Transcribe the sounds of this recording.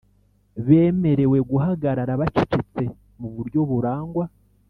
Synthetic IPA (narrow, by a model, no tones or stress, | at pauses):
βe̞ːme̞ɾe̞we̞ɡuɦaɡaɾaɾaβacicit͡se̞ | muβuɾɟo̞βuɾaːŋɡwa